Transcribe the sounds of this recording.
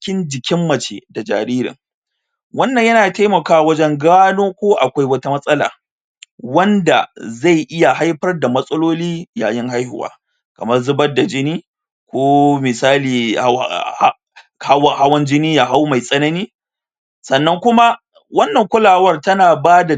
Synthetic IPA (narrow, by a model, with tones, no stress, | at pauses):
kʲɪ˦nd͡ʒɪ˨kʲɪ˦mːɐ˨t͡ʃḛ˨da˨d͡ʒa̰ː˨ɾiː˦ɾɪ̰˨ŋ | wɐ˦nːɐ˨ɲjɐ˦naː˨ta˦jmɐ˨kaː˦˨wɐ˦d͡ʒɛ˦ŋɡaː˦noː˦kʷoː˦ʔa˨kʷa˦jwɐ˦ta˦mɐ˦sʼɐ˦la̰ː˨ | wɐ˦nda̰˨za˦˨jʔɪ˦ja˨ɦa˦jɸɐ˦rda˨mɐ˦sʼɐ˦loː˦liː˦ja̰ː˨jɪ˦ŋɦa˦jhʊ̰˨wa̰ː˨˦ | kɐ˨mɐ˦rzʊ˦bɐ˦da˨d͡ʒɪ˦niː˦ | kʷoː˦mɪ˨saː˦liː˨˦ | ka˦wha˦wɐ˦nd͡ʒɪ˦niː˦ja˨ɦa˦wma˨jsʼɐ˦nɐ˦niː˦ | sɐ˨nːɐ˦ŋkʷʊ˦ma˦ | wɐ˦nːɐ˨ŋkʷʊ˦laː˨wɐ˦rtɐ˦naː˨baː˦da˨